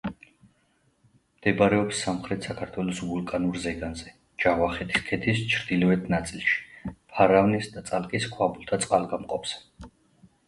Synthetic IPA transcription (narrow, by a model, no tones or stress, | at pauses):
md̪̥ɛbɾɛɔpsːamχɾɛt̪ʰsakʰaɾt̪ʰwɛlɔsvulˠkʼanuɾzɛɡanzɛ | d͡ʒaʁvaχɛt̪ʰi̥skʰɛt̪ʰist͡ʃʰɾd̪̥ilɛvɛt̪ʰnat̪sʼilˠʃi̥pʰaɾavnisd̪at̪sʼalkʼiskʰwabulˠt̪ʰat̪sʼqʼalˠɡamqʼɔps